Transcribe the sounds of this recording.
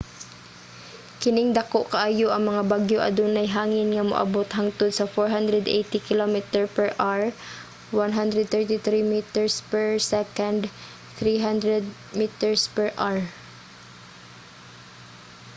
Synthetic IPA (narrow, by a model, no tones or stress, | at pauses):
kɪnɪŋd̪ɐkoʔkɐʔajoʔɐŋmɐŋabaɡjoʔɐ̰d̪unɐjɦaːŋɪnŋɐmʊ̰ʔa̰bot̪ɦaŋt̪ʊd̪̚sɐfɔɹɦand̪ɾɛd̪ʔḛjt̪ɪkɪlomɪt̪ɛɹpɛɹʔaɹ | wanɦand̪ɾɛd̪̚t̪ɛɹt̪ɪθɾimit̪ɛɹspɛɹsɛkand̪ | θɾiɦand̪ɾɛd̪̚ | mit̪ɛɹspɛɹʔaɹ